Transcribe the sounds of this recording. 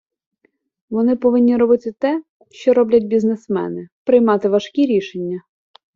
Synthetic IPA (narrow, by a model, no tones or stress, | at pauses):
ʋɔnɪpɔʋɪnʲːiɾɔbɪt̪ɪt̪ɛ | ʃt͡ʃɔɾɔblʲɐt̚ʲbʲiznesmɛ̰nɪpɾɪjmɑt̪ɪʋɐʃkʲiɾʲiʃenʲːɐ